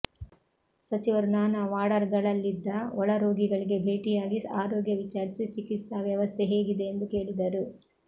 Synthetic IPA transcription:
sɐt͡ʃiʋɐɾnaːnɐʋaːɽɐɾɡɐɭɐlːid̪ːɐɔɭɐɾoːɡiɡɐɭiɡe̞bʱe̞ːʈijaːɡiaːɾoːɡjɐʋit͡ʃaːɾisit͡ʃikit̪sɐʋjɐʋɐst̪ʰe̞ɦe̞ːɡid̪e̞ːnd̪uke̞ːɭid̪ɐɾu

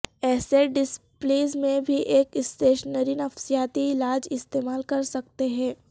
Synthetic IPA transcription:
ɛːseɖɪspliːzmẽbʱiʔeːkɪsʈeːʃnəɾinɐfsijaːt̪iɪlaːd͡ʒɪst̪eːmaːlkɐɾsɐk̚t̪eɦɛ̃ː

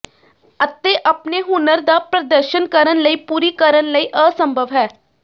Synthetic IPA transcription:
ət̪ːeʔɐpneɦʊnəɾd̪apɾəd̪əɾʃənkəɾənləipuːɾikəɾənləiʔəːsə̃mbʱəʋɦɛː

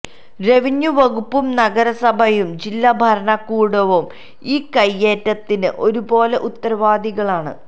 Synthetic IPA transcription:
re̞ʋiɲːuʋɐɣupːumnɐɡɐɾɐsɐbʱɐjumd͡ʑilːɐbʱɐɾɐɳɐkːuːɽɐʋum | iːkɐjːe̞ːtːɐt̪ːinɨʔo̞ɾubo̞ːleʔut̪ːɐɾɐʋaːd̪iɣɐɭaːɳɨ̰

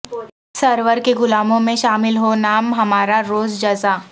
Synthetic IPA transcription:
sɐɾʋəɾkeɡʊlaːmõmẽʃaːmɪlɦonaːmɦɐmaːɾaɾoːzd͡ʒɐzaː

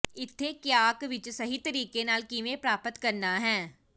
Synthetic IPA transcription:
ɪt̪ʰːeːkɪjaːkʋɪt͡ʃsəɦiːt̪əɾiːkeːnaːlkɪʋẽːpɾaːpət̪kəɾnaːɦɛ̃ː

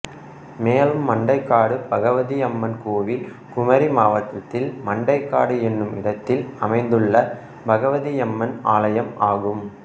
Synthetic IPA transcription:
meːlɯmːɐɳɖɐɪkːaːɽɯb̥ɐɣɐʋɐðiɛmːɐnkoːʋɪl | kʊmɐɾimaːʋɐt̪ːɐt̪ːɪlmɐɳɖɐɪkːaːɽɯɛnːɯmɪɽɐt̪ːɪlɐmɐɪnd̪ɯɭːɐ | bɐɣɐʋɐðiɛmːɐnaːlɐjɐmaːɣɯm

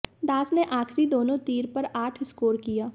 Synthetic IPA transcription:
d̪aːsneʔaːxɾid̪oːnõt̪iːɾpɐɾaːʈʰɪskoːɾkijaː

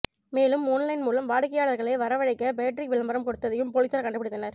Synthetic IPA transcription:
meːlɯmːuːnlɐɪnmuːlɐmʋaːɽkːɐjaːɭɐɾɣɐɭɐɪʋɐɾɐʋɐɻɐɪkːɐbejʈɾɪkʋɪɭɐmbɐɾɐmkɔɽɯt̪ːɐðɐjɯmpolisɐɾkɐɳɖɯpːɪɽɯt̪ːɐnɐɾ

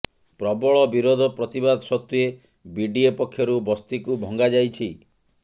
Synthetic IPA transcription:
pɾɔbɔɭɔbiɾod̪ʱɔpɾɔt̪ibad̪ʱɔsɔt̪ːue | biɖiepɔkʰːjɔɾubɔst̪ikubʱɔŋɡad͡ʒajt͡ʃʰi

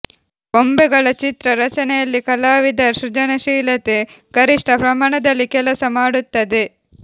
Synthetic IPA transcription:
ɡombɛɡɐɭɐt͡ʃit̪ɾɐɾɐt͡ʃɐnɛjɐlːikɐlaːʋid̪ɐɾʃɾid͡ʒɐnɐʃiːlɐt̪e | ɡɐɾiʂʈʰɐpɾɐmaːɳɐd̪ɐlːikɛlɐsɐmaːɽut̪ːɐd̪e

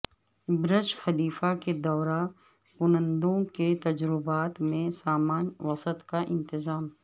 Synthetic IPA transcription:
bɾɪʃxɐliːfaked̪ɔːɾa | kʊnə̃nd̪õket̪ɐd͡ʒɾɪbaːt̪mẽsaːmaːnʋɐsət̪kaʔɪ̃nt̪ɪzaːm

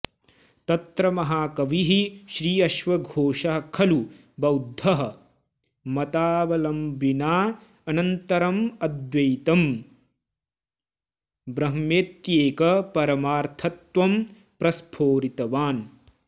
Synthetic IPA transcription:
t̪ɐt̪ɾɐmɐɦaːkɐʋiɦiʃɾiːɐʃʋɐɡʱoːʃɐɦɐkʰɐlu | bɐwd̪ʱːɐɦɐ | mɐt̪aːʋɐlɐmbinaː | ɐnɐnt̪ɐɾɐmɐd̪jɐjt̪ɐm | bɾɐɦmeːt̪jeːkɐpɐɾɐmaːɾt̪ʰɐt̪ʋɐm | pɾɐspʰoːɾit̪ɐʋaːn

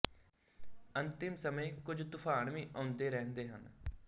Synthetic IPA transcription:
ənt̪ɪmsəmẽːkʊd͡ʒd̪ʊkʰaːnʋĩːʔãːnd̪eːɾɛːnd̪eːɦə̰n

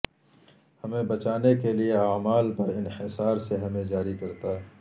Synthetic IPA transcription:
hɐmẽbɐt͡ʃaːnekelieaːmaːlpɐɾɪnhɪsaːɾseɦɐmẽd͡ʒaːɾikɐɾt̪a

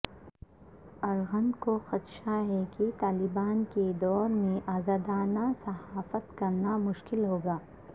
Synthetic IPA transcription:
ɐɾɣə̃nd̪koxɐt̪ʃaɦɛkit̪aːlɪbaːnked̪ɔːɾmẽʔaːzaːd̪aːnasɐɦaːfət̪kɐɾnamʊʃkɪlɦoːɡaː

